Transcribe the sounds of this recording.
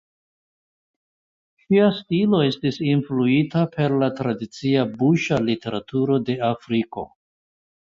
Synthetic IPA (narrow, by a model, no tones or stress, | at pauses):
ʃiastilo̞e̞stisinfluitapʰe̞ɾlatɾadit͡siabuʃalite̞ɾatuɾo̞de̞afɾiko̞̰